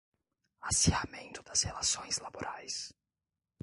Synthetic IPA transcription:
asiamẽnt̪ʊd̪ɐshelasõj̃zlaboɾʔajs

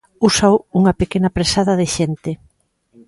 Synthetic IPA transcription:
usawuŋɐpekenɐpɾesaðɐðɪʃent̪ɪ

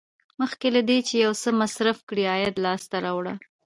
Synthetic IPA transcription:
məxkelad̪et͡ʃejawsəmasɾafkɽiɑjad̪lɑst̪aɾɑwɽa̰

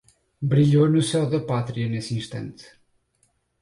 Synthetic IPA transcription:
bɾiʎonusɛwðɐpat̪ɾiɐnesĩʃt̪ɐ̰̃nt̪

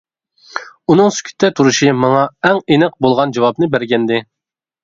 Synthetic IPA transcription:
unɨŋsy̥kʲʰy̥t̪ʰːɛt̪ʰuɾuʃimɑŋɑɛŋenɪq̚bolˠʁɑnd͡ʒɑwɑbnɨbæɾɡʲɛnd̪ɪ

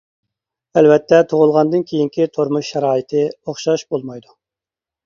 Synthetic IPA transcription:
ælvɛt̪ʰːɛt̪ʰoʁʊlˠʁɑnd̪ɨnkʲʰejiŋkʲʰit̪ʰoɾmuʃːɛɾɑːit̪ʰɪoχʃɑʃbolˠmɑjd̪u

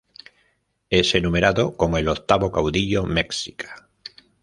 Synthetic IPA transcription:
esenũmeɾaðokomoelot̪aβokawðiʎomeksikḁ

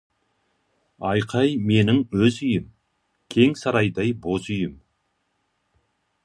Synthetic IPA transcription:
ɑjqʰɑjme̞nɪŋɵzʏjɪm | kʲʰe̞ŋsɑɾɑjd̪ɑjbozʏjɪm

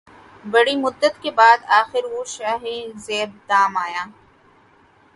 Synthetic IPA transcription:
bɐɽimʊd̪ːət̪kebaːd̪aːxɪɾʋoʃaːɦezeːb̪̚ːaːmaːjaː

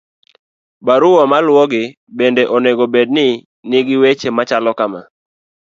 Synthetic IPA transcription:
baɾʊwɔmalwɔɡɪ | bendeʔɔneɡobed̚nɪ | nɪɡɪwet͡ʃemat͡ʃalɔkama̰

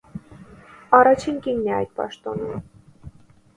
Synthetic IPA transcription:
ɑrɑt͡ʃʰinkiŋniɑ̰jt̪̚pɑ̰ʃt̪ɔnum

